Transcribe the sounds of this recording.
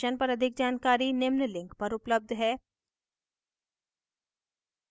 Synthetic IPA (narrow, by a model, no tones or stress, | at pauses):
ənpɐɾɐd̪ʱɪkd͡ʒaːnkaːɾinɪmnlɪ̃ŋkpɐɾʊpləb̚d̪ʱɦɛː